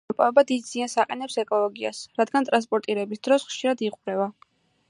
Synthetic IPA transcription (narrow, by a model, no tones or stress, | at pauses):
pʼaɛbad̪id̪z̥iansaqʼɛnɛpsɛkʼɔlˠɔɡia̰sɾad̪ɡant̪ʼɾans̬pʼɔɾt̪ʼiɾɛbisd̪̥ɾɔsχʃiɾad̪iqʼɾɛva